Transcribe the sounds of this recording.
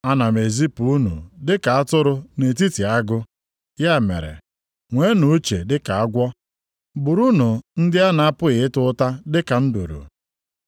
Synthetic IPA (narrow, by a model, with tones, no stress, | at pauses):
a˦na˨me˨zi˦pu˨˦u˦nṵ˨dɪ˦ka˨a˦tʊ˦ɾʊ˦ne˨t̬i˦ti˨a˦ɡʊ˦ | ja˦˨mḛ˨ɾḛ˨ | ŋʷe˦nu˦t͡ʃe˨dɪ˦ka˨a˦ɡʷɔ˦ | bʊ˨ɾu˦nu˨n̩˦dɪ˦a˦na˨a˦pʊ˦ɣɪ˨ɪ˦tʊ˦ta˦dɪ˦ka˨n̩˦dṵ˨ɾṵ˨